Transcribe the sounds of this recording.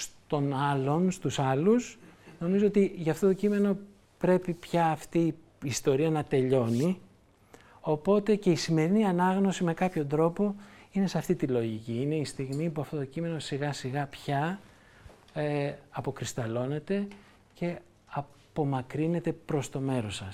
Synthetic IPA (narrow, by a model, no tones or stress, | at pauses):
st̪o̞nɐlo̞nst̪usɐlusno̞mizo̞ot̪iʝɐft̪o̞t̪o̞cime̞no̞ | pɾe̞pipçɐːft̪iː | st̪o̞ɾiɐnɐt̪e̞ʎo̞ni | o̞po̞t̪e̞ce̞isime̞ɾiniɐnɐɣno̞sime̞kɐpço̞nd̪ɾo̞po̞ine̞seɐft̪it̪ilo̞ʝiciine̞ist̪iɣmipuɐft̪o̞t̪o̞cime̞no̞siɣɐsiɣɐpçɐ | ɐpo̞kɾist̪ɐlo̞ne̞t̪e̞ | ce̞ | ɐ | po̞mɐkɾine̞t̪e̞pɾo̞st̪o̞me̞ɾo̞sɐs